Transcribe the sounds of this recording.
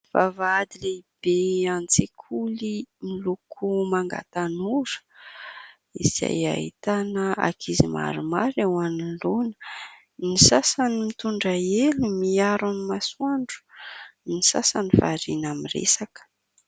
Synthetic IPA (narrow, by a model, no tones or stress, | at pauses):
vavaad̪ileib̥eant͡sekʰulimilukʰumaŋɡa̰t̪anuɾə̥ | iz̥a̰ja̰ɦḭt̪anəa̰kʰizima̰ɾumaɾewanilonə̥ | nisasanimit̪uɳɖ͡ʐaelimiaɾanimasuaɳɖ͡ʐu̥nisasanifa̰ɾinamirḛsakə̥